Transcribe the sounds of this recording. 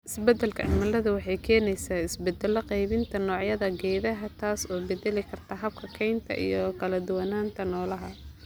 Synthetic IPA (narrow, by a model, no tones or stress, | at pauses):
ʔɪsbɛd̪ɐlkʰɐʕɪmɐlɐðʊwɑħɑjkʰɛːnɛjsaːɪsbɛd̪ɛlɐqɛjβɪnt̪ʰɐnɔːʕjɐðɐɡɛːðɐɦɐt̪ʰaːsɔːbɛd̪ɛlɪkʰɐrt̪ʰɐɦɐb̚kʰɐkʰɛjnt̪ʰɐ̰ʔḭjɔkʰɐlɐd̪ʊwɐnaːnt̪ʰɐnɔːlɐɦɐ